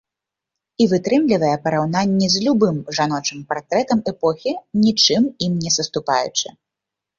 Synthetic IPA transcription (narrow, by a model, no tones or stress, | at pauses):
ivɨt̪ɾɨmlʲivɐjɛpɐɾawnanʲːɛzʲlʲubɨmʐanɔt͡ʂɨmpart̪ɾɛt̪ɐmɛpɔxʲinʲit͡ʂɨmimnʲɛsɐst̪upa̰jṵt͡ʂɨ̰